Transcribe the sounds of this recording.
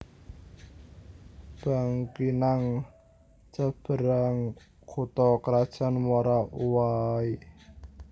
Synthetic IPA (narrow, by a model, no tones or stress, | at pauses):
b̥a̤ŋkinaŋ | t͡ʃəb̥ə̤ɾaŋ | kʰut̪ɔkɾad̥ʒ̥a̤nmaɾauwai